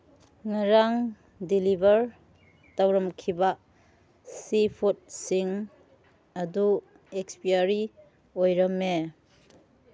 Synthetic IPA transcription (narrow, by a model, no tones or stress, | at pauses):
ŋaɾaŋ | dilibʱɐɾ | tawɾɐmkʰiba | sipʰut̚siŋ | ɐdu | ekspiaɾi | ojɾɐmːe